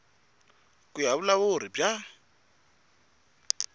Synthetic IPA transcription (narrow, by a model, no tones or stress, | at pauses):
kujaβʊlaβoriba